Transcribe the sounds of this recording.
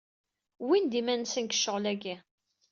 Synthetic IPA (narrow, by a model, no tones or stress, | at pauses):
wind̪imænsənkə̥ʃːəʁlæɡæ